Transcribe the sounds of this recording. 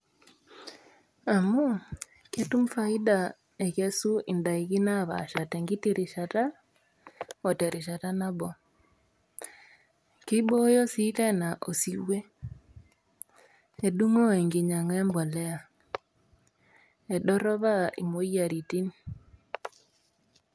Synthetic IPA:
a˨mo˦ | ke˦tu˦mfa˦i˦da˨ | e˨ɣe˦su˦ʔi˨nda˨i˨ɣi˦na˦˨βa̰˨ʃa˨tɛ˨ŋɡi˦ti˦ɾi˨ʃata˦ | ɔ˨tɛ˨ɾi˨ʃa˨ta˦na˦bɔ˨ | ki˦bɔ˦jɔ˦si˦tɛ˦na˨ʔo̰˨si˨we˦ | e˨du˦ŋɔ˦ɛ˨ŋɡe˨ɲa˨ŋɛ˦mbɔ˨lɛ˦a˨ | ɛ˨ɗɔ˦ɾɔ˦βa˦i˨mo˦ia˨ɾi˨ti˦ni

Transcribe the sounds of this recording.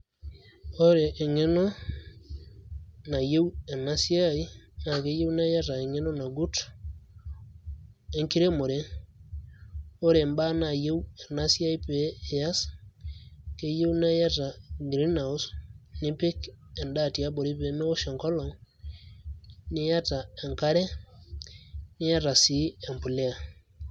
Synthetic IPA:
o˦ɾe˨ʔːŋe˦nɔ˦ | na˨je˦u˦ɛ˨na˦si˦a˦i˦na˨ke˦je˦u˦na˦ja˦ta˨e˨ŋe˦nɔ˦na˨ɡu˦t | e˦ŋki˦ɾe˦mo˨ɾe˦ | o˦ɾe˨mba˦na˨je˦u˦e˨na˦sja˦i˦peː˨˦˨ja˦s | ke˦je˦wna˦ja˦ta˨ɡɾi˦na˨u˦snɪ˦pe˦kɛ˨nda˦˨tja˦bo˨ɾi˦pe˨˦me˦o˦ʃɔ˨ŋkɔ˦lɔ˨ŋ | nɪ˦ja˦ta˨ɛ˨ŋka˦ɾɛ˦ | nɪ˦ja˦ta˨si˦ɛ˨mpu˨le˦a˨

